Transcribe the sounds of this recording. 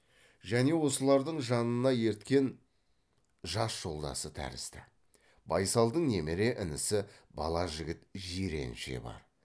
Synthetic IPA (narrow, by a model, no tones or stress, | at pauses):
ʒæne̞wo̞səlˠɑɾd̪əɴʒɑnənɑje̞ɾt̪kʲe̞n | ʒɑsʒ̥o̞lˠd̪ɑ̰sət̪ʰæ̰ɾɪ̰st̪ɪ | bɑjsɑlˠd̪əɴne̞meɾe̞ʔɪnɪsɪbɑlˠɑʒɪɡʲɪt̪ʒiɾe̞̰nʃḛbɑ̰ɾ